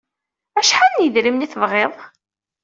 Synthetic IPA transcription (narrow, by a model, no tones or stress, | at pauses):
æʃħanːjəðɾimniθəvʁeðˤ